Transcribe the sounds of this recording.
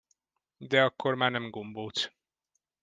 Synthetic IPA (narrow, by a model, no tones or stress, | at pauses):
d̪ɛɒkːormaːrnɛmɡomboːt̪